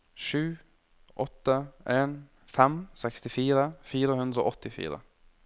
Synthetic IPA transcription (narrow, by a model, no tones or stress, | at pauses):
ʃʉː | ʔɔt̪ːəʔeːn | fɛmsɛkst̪ɪfiːɾəfiːɾəhʉnd̪ɾəo̰ːʔɔt̪ɪfḭːɾə̰